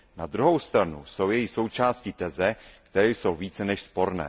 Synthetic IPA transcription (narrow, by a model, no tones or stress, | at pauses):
nad̪ɾuɦo̞wst̪ɾanuso̞wjɛjɪxso̞wt͡ʃaːscit̪ɛzɛkt̪ɛɾɛːjso̞wviːt͡sɛnɛʃspo̞ɾnɛ̰ː